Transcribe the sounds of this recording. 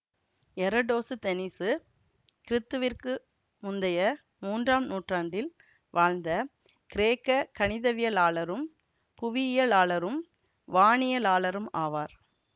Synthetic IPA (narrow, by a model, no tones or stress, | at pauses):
ɛɾɐɖoːsɯt̪ɛnɪsɯ | kɪɾɪt̪ːɯʋɪrkɯ | mʊnd̪ɐjɐ | muːndraːmnuːʈraːɳɖɪl | ʋaːɻnd̪ɐ | kɪɾeːkːɐkɐɳɪðɐʋɪjɐlaːɭɐɾɯm | pʊʋɪjɪjɐlaːɭɐɾɯm | ʋaːɳɪjɐlaːlɐɾɯmaːʋaːɾ